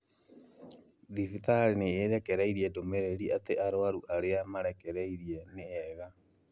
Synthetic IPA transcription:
ðifitaɾineeɾɛkɛɾaiɾiɛdomɛɾɛɾiateaɾoaɾuʔaɾeamaɾɛkɛɾɛiɾiɛneɛɣa

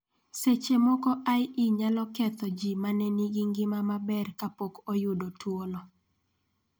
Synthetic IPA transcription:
set͡ʃemɔkɔʔajiɲalɔkɛt̪ɔd͡ʒimanɛniɡiŋɡɪmamabɛrkapokojʊdotwolɔ

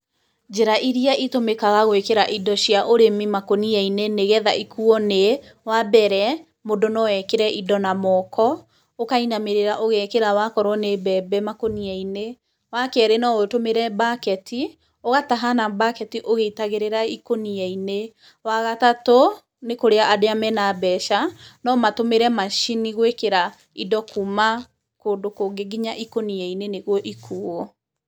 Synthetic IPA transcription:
d͡ʒɛɾaʔiɾiaʔitomekaɣaɣwekeɾaʔidɔʃiaʔoɾemimakoniaineneɣɛðaikuɔnewabɛɾɛ | modɔnɔwɛkeɾɛʔidɔnamɔkʰɔ | okainameɾeɾaʔoɣɛkeɾawakɔɾwɔnebɛbɛmakoniaine | wakɛɾenɔoetomeɾɛbakɛtʰi | oɣataɦanabakɛtiʔoɣeitaɣeɾeɾaikoniɛine | waɣatato | nekoɾeaʔadeamɛnabɛʃanɔmatomeɾɛmaʃiniɣwekeɾa | idɔkuma | koːndokoːɡeɡiɲaʔikoniɛineneɣwɔʔikʰuːɔ

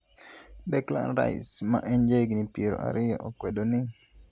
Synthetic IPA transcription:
bɛkla̰nɾa̰ɪsma̰ʔend͡ʒeɡnipeɾo̰ʔa̰ɾɪjɔʔokwɛdonɪ

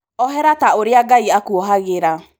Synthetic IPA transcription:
ɔɦɛɾataoɾɪaɡaiakwɔɦaɣeɾa

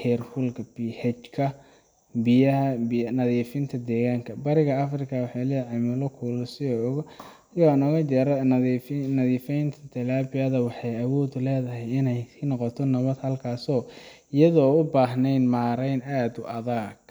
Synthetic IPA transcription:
hɛːrfʊlkʰɐbihɛt͡ʃkʰɐ | bɪjɐɦɐbnɐðiːfɪnt̪ʰɐd̪ɛːɣaːŋkʰɐbɐɾɪɣɐɐfrɪkʰɐwɑħɑjlɛːjʕɑjmʊlɐkʰuːlʊsɪɔɔɣ | jaːɪnɔɣɐt͡ʃɛɾɐ | nɐðiːfɛjnt̪ʰɐt̪ʰɐlaːbɪjɐðɐwɑħɑjɐwɔːd̪ʊlɛːðɐɦɛjɪnɛjsiːnɔqɔt̪ʰɔnɐβɐd̪hɐlkʰaːsɔː | ɪjɐðɔːʊbaːɦnɛjnmaːɾɛjnaːd̪ʊʔɐðaːɡ

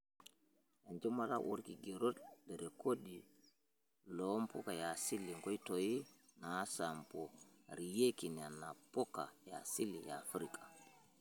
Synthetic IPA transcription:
jand͡ʒumala̰ʔṵɾkiɡeɾotdɛɾɛkodi | lompɔkajasilːiŋkojtoji | nasampoɾijekinianapɔka̰ja̰silija̰fɾikḁ

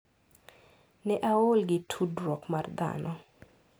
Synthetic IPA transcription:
nɛʔaolɡɪtʰudrɔkmard̪a̰nɔ

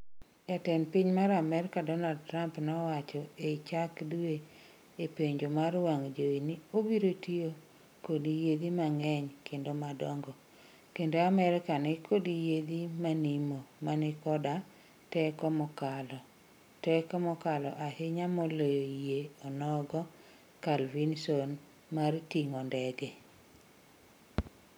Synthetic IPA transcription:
jatɛnpiɲmaɾamɛɾɪkadɔnald̚tɾampnɔwat͡ʃɔeit͡ʃakdue | epeɲd͡ʒomaɾwaŋd͡ʒoinɪobiɾotio | kodijed̪imaŋɛɲkʰendomadɔŋɡɔ | kendoamɛɾɪkanɪkʰodijed̪imanimomanɪkɔda | tɛkɔmɔkalɔ | tɛkɔmɔkalɔʔaheɲamɔlojojeɔnɔɡɔ | kalvinson | martiŋɔndɛɡɛ

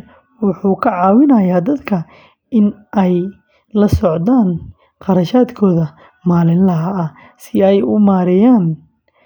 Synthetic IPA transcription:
wʊħuːkʰɐʕɑːwɪnɐjaːd̪ɐd̪kʰɐ | ɪnʔɛj | lɐsɔʕd̪aːn | qɑɾɐʃaːd̪kʰɔːðɐ | maːlɪnlɐɦɐː | sɪɛjʊmaːɾɛjaːn

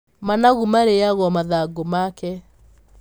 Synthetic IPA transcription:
manaɣumaɾeaɣɔmaðaɡomakɛ

